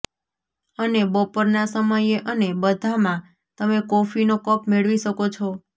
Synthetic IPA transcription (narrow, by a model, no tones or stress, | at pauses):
ənebɔpəɾnasəməjeʔənebəd̪ʱamã | t̪əmekofinokəpmeɭʋiʃəkot͡ʃʰɔ